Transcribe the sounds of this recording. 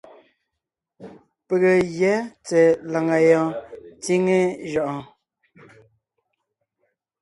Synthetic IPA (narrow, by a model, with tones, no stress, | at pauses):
pə˨ɣə˨jjɛ˨˦t͡se˨la˨ŋa˨jɔ˨ti˦ŋe˦ʒɔ˨ʔɔ˨